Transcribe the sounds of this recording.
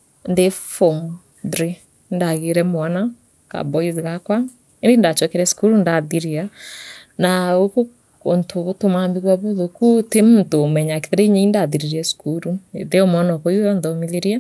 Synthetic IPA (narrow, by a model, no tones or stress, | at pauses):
ndefom | ðɾi | ndaɣeɾɛmwana | ka̰bɔizɣakwa | endendat͡ʃwɛkɛɾɛsu̥kuɾundaðiɾia | naoko | ontoɣotomambiɣwaβuðokutemontomɛɲakeðeɾeɲeindaðiɾiɾiɛsu̥kuɾueðeɔmɔnɔkɔiwɔnðɔmiðeɾiɛ